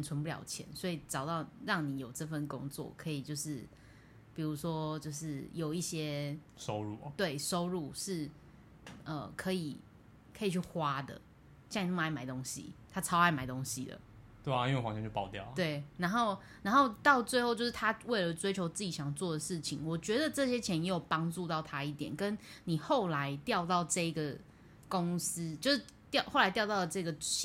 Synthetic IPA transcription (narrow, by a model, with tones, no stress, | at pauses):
nt͡sʰə˧˦npu˥˧ljɑ̰˨˩ʊt͡ɕʰjɛ̰˧˦nswɔ˧˥i˨˩ʈ͡ʂɑ˨˩ʊt̪ɑ˥˩ʊɻɑ˥˩ŋni˨˦jo˨˩ʊʈ͡ʂɤ˥˧fə˥˩nkʊ̰˥ŋt͡swɔ̰˥˩kʰɤ˧˦i˨˩t͡ɕjo˥˧ʊʂɻ̩˥˩ | pi˨˩ɻu˧˦˥ʂwɔ˥t͡ɕjo˥˧ʊʂɻ̩˥˩jo˨˩ʊi˥˩ɕjɛ˦˥ | ʂo˦ʊɻu˥˩˨t̪we˥˩ɪʂo˥ʊɻu˥˩ʂɻ̩˥˩ | ə˨˩kʰɤ˧˦i˨˩ | kʰɤ˧˥i˨˩t͡ɕʰy˥˩xwa˥d̪ə̰˨ | ɕma˧˥ɪma˨˩ɪt̪o˥ŋɕḭ˨t̪ʰa˥t͡sʰɑ˥ʊxa˥ɪma˨˩ɪt̪o˥ŋɕḭ˨d̪ə̰˨˩ | t̪we˥˩a˨˦i˥wwɑ˧˦t͡ɕĩ˥˧t͡ɕjo˥˩pɑ˨˩ʊt̪jɑ˥˩ʊt̪we˥˩ɪna˧˥nxo˥˧ʊ | na˧˥nxo˥˧ʊt̪ɑ˥˧ʊt͡swe˥˧ɪxo˥˧t͡ɕjo˥˧ʊʂɻ̩˥˩t̪ʰa˦˥we˥˩ɪlə˩t͡swe˥ɪt͡ɕʰjo˧˥ʊt͡sɹ̩˥˩t͡ɕi˨˩ɕjɑ˨˩ŋt͡swɔ˥˩d̪ə˩ʂɻ̩˥˩t͡ɕʰi˨˩˦ŋwɔ˨˩t͡ɕɥɛ˧˥d̪ə˨ʈ͡ʂɤ˥˨ɕ̬jɛ˥t͡ɕʰjɛ˧˥njɛ˧˥jo˨˩ʊpɑ˥ŋʈ͡ʂu˥˧t̪ɑ˥˩ʊt̪ʰa˥i˥˩t̪jɛ̰˨˩nkə˦nni˨˩xo˥˨ʊla˧˦ɪt̪jɑ˥˧ʊt̪ɑ˥˧ʊʈ͡ʂɤ˥˩i˧ɡə˩ | ko˦ŋs̩˥t͡ɕjo˥˧ʊʂɻ̩˥˩ | t̪jɑ˥˧ʊxo˥˩ʊla˧ɪt̪jɑ˥˧ʊt̪ɑ˥ʊd̪ə˩ʈ͡ʂɤ˥˧i˧ɡə˨˩